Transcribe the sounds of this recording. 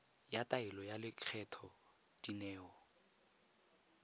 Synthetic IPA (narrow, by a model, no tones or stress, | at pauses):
jatʼaɪlɔjalɪkʰɛtʰɔ | d̥inɛːɔ